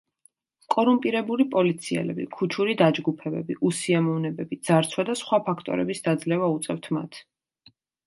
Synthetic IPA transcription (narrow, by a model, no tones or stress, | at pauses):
kʼɔɾumpʼiɾɛbulipʼɔlit̪sʰiɛ̰lɛbḭkʰut͡ʃʰuɾid̪ad͡ʒɡupʰɛbɛbiʔusiamɔvnɛbɛbid̪z̥aɾt̪sʰwad̪asχwapʰakʰt̪ʼɔ̰ɾɛbisd̪ad̪zlɛvaut̪sʼɛft̪ʰmat̪ʰ